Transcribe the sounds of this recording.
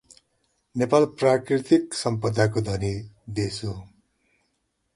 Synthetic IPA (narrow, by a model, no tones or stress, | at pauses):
nepalprakrit̪iksʌmpʌd̪akod̪ʱʌni | d̪eso